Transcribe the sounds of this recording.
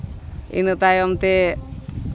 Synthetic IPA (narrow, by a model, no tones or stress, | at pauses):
ḭnɨt̪ajɔmt̪e